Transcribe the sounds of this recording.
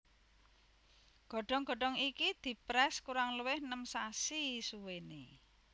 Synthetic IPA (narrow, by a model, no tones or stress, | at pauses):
ɡ̥ɔ̤ɖ̥ɔ̤ŋɡ̥ɔ̤ɖ̥ɔŋikid̪̥i̤pɾɛskuɾaŋləwɪhnəmsasisuwenḛ